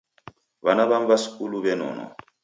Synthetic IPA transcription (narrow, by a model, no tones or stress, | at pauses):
βanaβaɱbasi̥kuluβɛnɔ̰nɔ̰